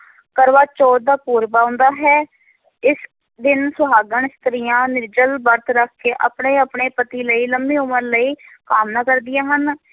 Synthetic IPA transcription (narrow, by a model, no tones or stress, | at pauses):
kəɾʋaːt͡ʃɔːɾ̚d̪aːpuːɾbaːʊ̃nd̪aːɦɛː | ɪs | d̪ɪnsʊɦaːɡəɳ̃ɪst̪əɾɪjãːnɪɾd͡ʒəlbəɾt̪ʰɾəkʰːeːʔəpɳeːəpɳeːpət̪iːləiːləmbeːʊməɾləiːkaːmnãːkəɾd̪ɪjãːɦən